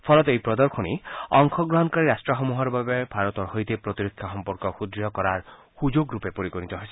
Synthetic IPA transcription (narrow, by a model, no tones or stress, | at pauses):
pʰɔlɔt̪ejpɾɔd̪ɔɾkʰoniɔŋkʰɔɡɾɔɦɔnkaɾiɾasʈɾɔɦɔmuɦɔɾɔbabebʱaɾɔt̪ɔɾɦɔjt̪epɾɔt̪iɾikʰːjaxɔmpɔɾkɔxud̪ɾijɔkɔɾaɾ | hud͡ʒoɡɾupepoɾikonit̪ɔɦɔjʰe